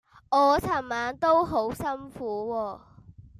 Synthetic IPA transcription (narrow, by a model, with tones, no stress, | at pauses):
ʔɔː˨˧t͡sʰɐ˨˩mmaː˨˥nt̪o˥wɦo˨˥wsɐ˥nfuː˨˥wɔː˧